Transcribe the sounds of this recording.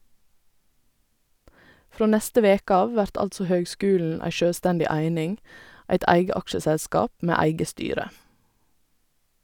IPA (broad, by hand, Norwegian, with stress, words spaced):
ˈfɾoː ˈnɛstə ˈʋeːkə ˈɑː ˈʋæɾt ˈɑltsɔ ˈhøːɡˌskʉːln̩ ˈæɪ ˈʃøːˌstɛndɪ ˈæɪnɪŋ ˈæɪt ˈæɪɡə ˈɑkʃəsɛˌskɑːp ˈmeː ˈæɪɡə ˈstyːɾə